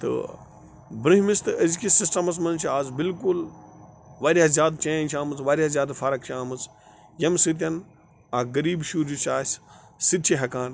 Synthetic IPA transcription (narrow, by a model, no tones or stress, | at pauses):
t̪ɨ̰ | bɾɨɦmist̪ɨʔɐzkisisʈɐmɐs̬mɐnt͡ʃʰaːzbilkul | ʋaːɾʲazʲjaːd̪t͡ʃɐ̃ːnt͡ʃʰaːmɨt͡sʋaːɾʲazʲjaːd̪faːɾɐk̚t͡ʃaːmɨt͡s | jɐmsɨt̪̬ʲjɐn | aːɡɐɾiːbʃuːd͡ʒut͡ʃaːs | sɨd̪̚t͡ʃeɦɐkaːn